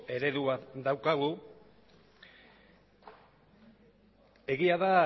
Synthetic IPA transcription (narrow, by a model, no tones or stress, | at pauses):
e̞ɾe̞ðuβat̪d̪awkaɣ̞u | e̞ɣiaða